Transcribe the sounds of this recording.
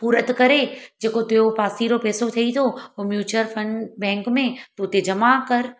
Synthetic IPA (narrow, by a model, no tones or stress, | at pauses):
puːɾət̪kɐɾed͡ʑeːkot̪eopaːsiɾopɛːsot̪ʰiit̪ʰooːmjuːt͡ɕəɾfʰɐ̃ɳɖbɛ̃ːŋkmẽt̪ut̪ed͡ʑɐmakɐɾ